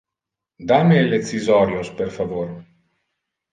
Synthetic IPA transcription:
d̪amelet͡sizɔɾjosperfavoɾ

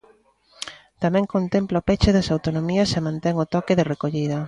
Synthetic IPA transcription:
t̪amɛ̃ŋkont̪emplaopet͡ʃɪðɐsawt̪onomiɐsemãnt̪ɛŋʊt̪ɔkeðɪrekoʎiðɐ

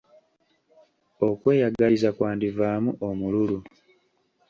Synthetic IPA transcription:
okwe̞ːjaɡalizakwaːndivaːmuʔomululu

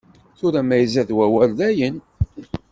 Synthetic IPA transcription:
θʊɾæmæjəzæðwæwælðæjən

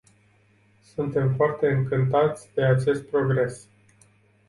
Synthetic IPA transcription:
sunt̪e̞mfoart̪e̞ɨŋkɨnt̪at̪sʲd̪e̞at͡ʃe̞st̪̚pɾo̞ɡɾe̞s

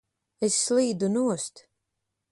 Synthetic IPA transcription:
esːlˠiːd̪unuɔst̪

